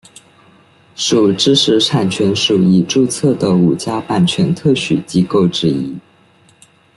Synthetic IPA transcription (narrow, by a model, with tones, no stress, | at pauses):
ʂu˨˩ʈ͡ʂɻ̩˥ʂɻ̩˧˥ʈ͡ʂʰa˨˩nt͡ɕʰɥɛ˧˥nʂu˨˩i˨˩ʈ͡ʂu˥˧t͡sʰɤ˥˩d̪ə˩u˨˩t͡ɕja˥pa˥˩nt͡ɕʰɥɛ˧˥nt̪ʰɤ˥˩ɕy˨˩t͡ɕi˥ko˥˩ʊʈ͡ʂɻ̩˥i˥